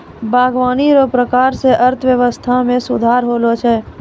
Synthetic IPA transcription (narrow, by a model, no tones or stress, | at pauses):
bʱaːɡʋaːniɾopɾəkaːɾseʔəɾt̪ʰʋjəʋəst̪ʰamẽsʊd̪ʱaːɾɦoːlot͡ʃʰɛː